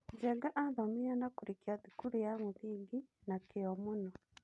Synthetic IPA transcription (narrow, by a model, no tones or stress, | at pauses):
ɟɛɡaʔaðamijanakuɾikiaðikuɾujaŋuðiːɡinakiɔmunɔ